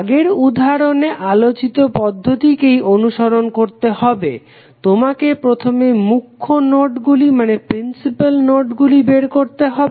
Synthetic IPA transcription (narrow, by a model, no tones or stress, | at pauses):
ɡeɾud̪ʱaɾoneʔalot͡ɕit̪opɔd̪ʱːot̪ikejonuʃoɾonkoɾt̪ehɔbḛ | t̪omakepɾot̪ʰomemukʰːonoʈɡulimanepɾinsipalnoʈɡulibeɾkoɾt̪eɦɔbe